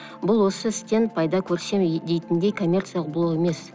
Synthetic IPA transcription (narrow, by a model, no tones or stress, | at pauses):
bʊlˠwo̞səɪst̪e̞n̚pʰɑjd̪ɑkʲʰɵɾse̞md̪e̞jt̪ɪnd̪e̞jkʰo̞mʲːe̞rt̪sijalˠəq̚bʊlˠoqe̞me̞s